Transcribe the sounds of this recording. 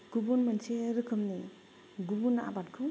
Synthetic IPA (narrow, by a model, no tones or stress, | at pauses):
ɡ̥ubunmɐnt͡ʃeɾɯkʰɯmni | ɡubunaa̰bat̚kʰɯ